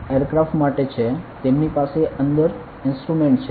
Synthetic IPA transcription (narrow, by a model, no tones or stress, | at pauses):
ejəɾkɾafʈmaʈet͡ʃʰet̪emnipaseʔənd̪əɾ | ɪnsʈɾumeɳʈt͡ʃʰ